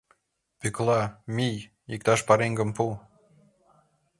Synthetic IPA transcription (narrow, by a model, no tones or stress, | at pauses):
pyklɑmʲij | ik̚t̪ɑʃpɑɾeŋɡə̆mpu